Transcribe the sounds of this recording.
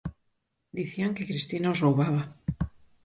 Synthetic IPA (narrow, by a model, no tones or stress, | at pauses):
d̪iθiaŋke̞kɾist̪inaozroβaβa